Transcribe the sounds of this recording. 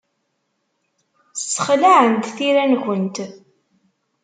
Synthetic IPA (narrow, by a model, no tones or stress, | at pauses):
sːə̥χlaʕənt̪θiɾænʝʷənt̪